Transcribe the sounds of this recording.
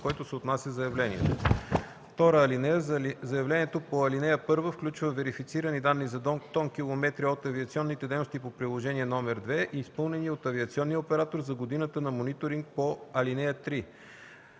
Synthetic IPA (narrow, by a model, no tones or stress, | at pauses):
kɔjt̪ʊsɛot̪nasʲjəzɐjɐvlɛnḭɛ̰t̪o | ft̪ɔɾəːlinɛjəzɐjɐvlɛnijɛt̪opoɐlinɛjəpɤɾvəfklʲut͡ʃvəvɛɾifit̪siɾənid̪anːizɐt̪ɔnkʲilˠomɛt̪ɾiot̪ɐviɐt̪siɔnːit̪ɛd̪ɛjnost̪ipopɾilˠoʒɛniɛnɔmɛɾd̪vɛʔiːspɤlˠnɛniot̪ɐviɐt̪siɔnːijəopɛɾat̪oɾzɐɡod̪inət̪ənɐmonit̪oɾiŋk̚poɐlinɛjət̪ɾi